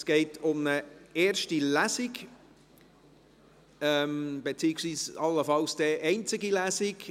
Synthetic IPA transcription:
sɡ̥ɛɪtʰʊmnəeːɾʃtilæzɪɡ | ɛmb̥et͡siːɪksʋiːsɑlːəfɑlsd̥ɛʔɛɪnt͡sɪɡilæsɪɡ

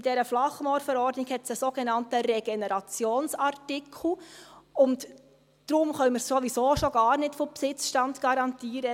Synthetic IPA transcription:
d̥ɛɾəflɑχmɔɾfɛɾɔɾdnɪɡhɛtsəsoːɡ̥enɑntəɾɛɡ̥enɛɾɑt͡sjoːnsɑɾtɪkʰl̩ʊnt | d̥ɾʊmχœnməɾsoʋisoːʃoɡ̥ɑːɾnɪtfɔpsɪt͡sʃtɑntɡ̥ɑɾɑntiːɾə

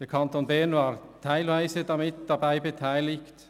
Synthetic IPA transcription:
d̥eːɐkʰantoːnbɛɐnvaːʁtʰaɪlvaɪzədamɪtd̥abaɪbətʰaɪlɪçt

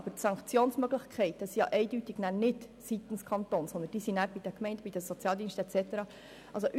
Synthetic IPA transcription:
b̥ətsɑŋkt͡sjoːnsmœɡlɪxkʰɛɪtəsijɑ̰ʔɛɪdytɪɡ̥nænɪt | sit̪ənskʰχɑnt̪oːnsɔnd̪ənd̥iːsinæɾb̥id̥ɛkmɛɪnd̥əbid̥əsɔt͡sjɑːld̪iːnstɛt͡sɛtəɾɑ | ɑlsoʔ

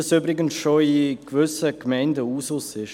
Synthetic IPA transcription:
ɑsybɾɪɡənsʃoikvʏsəkmɛɪndəuːsʊsɪʃ

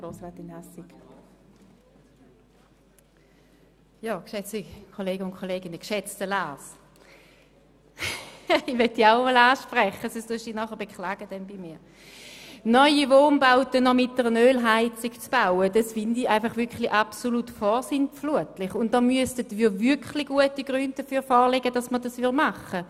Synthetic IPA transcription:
ɡ̥ʁoːsʁat̪ɪnasɪk | jɑːkʃɛt͡sikʰoleːɡəʊnkχoleːɡɪnəkʃɛt͡stəlaːs | iʋɛtːiaʊmɔlaːʃpʁɛχəsosduʃinɔχəb̥ekχlaːɡ̥əd̥ɛnbimiː | nɔʏivoːnbaʊtənɔmɪt̚d̥əʁənøːlɦaɪt͡sɪkt͡sb̥aʊədɑsfɪndiaɪfɑχvʏɐkχliʔapsolutfɔːsɪnfluətlɪχʊntd̥ɔmyəstətviːɐvʏɐkχliɡ̥uətiɡ̥ʁʏndd̥əfyːɐfɔːʁleɡəd̥ɑsmədɑsvɪmaχə

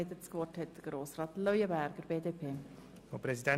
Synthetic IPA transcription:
d̪ət͡skʋɔthɛt̚d̪̥əɾɡ̥ɾoːsrɑːt̪lœʏəbæɾɡ̥əɾb̥eːdeːpʰeː | opɾɛzidɛ

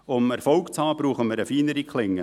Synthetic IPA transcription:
ʊmɛɾfɔʊkt͡shɑːb̥ɾuːχəməɾəfiːnəɾikχlɪŋːə

